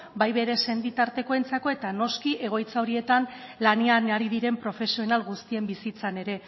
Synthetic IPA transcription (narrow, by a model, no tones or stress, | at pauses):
bajβe̞ɾe̞se̞nd̪it̪aɾt̪e̞ko̞ent͡sako̞e̞t̪ano̞skiʔe̞ɣ̞o̞jt͡sao̞ɾie̞t̪anlaneaneaɾiðiɾe̞mpɾo̞fe̞sio̞nalɣust̪ie̞mbisit͡sane̞ɾe̞